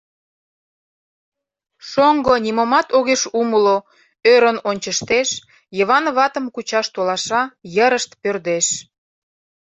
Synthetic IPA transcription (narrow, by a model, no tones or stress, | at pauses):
ʃoŋɡonʲimomɑt̪oɣeʃuməlo | øɾənonʲt͡ɕəʃt̪eʃ | jəβɑnβɑt̪əmkut͡ɕɑʃt̪olɑʃɑjəɾəʃt̪pørd̪eʃ